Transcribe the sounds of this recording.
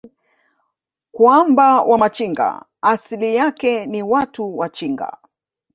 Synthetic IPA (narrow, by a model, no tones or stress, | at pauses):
kwambawʔamat͡ʃiŋɡa̰ː | silijakɛniwatuwat͡ʃiŋɡa̰